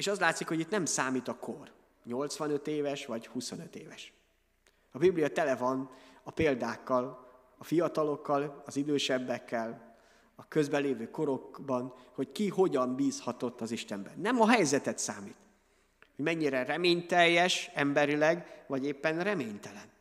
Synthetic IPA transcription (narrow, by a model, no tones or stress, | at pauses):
eːʃɒzlaːt̪sikho̞ɟit̪nɛmsaːmiːt̪ɒkʰor | ɲo̞lt̪sʋɒnø̞t̪eːvɛʃʋɒɟhusonøt̪eːvɛʃ | ɒbiblijɒt̪ɛlɛvɒnɒpeːld̪aːkːɒl | ɒfijɒt̪ɒlo̞kːɒlɒzid̪øːʃɛbːɛkʰːɛl | ɒkø̞zbɛleːvøːko̞ɾo̞kbɒnho̞ckiho̞ɟɒmbiːshɒt̪o̞t̪ːɒziʃt̪ɛmbɛnːɛmɒɦɛjzɛt̪ɛt̪saːmiːt̪ | hoɟmɛɲːiɾɛrɛmeːɲt̪ɛjːɛʃɛmbɛɾilɛɡʋɒɟeːpːɛnrɛmeːɲt̪ɛlɛn